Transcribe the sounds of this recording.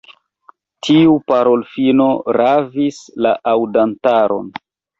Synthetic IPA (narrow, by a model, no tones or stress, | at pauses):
tʰiupaɾolfino̞ɾavislaʔawdantaɾo̞̰n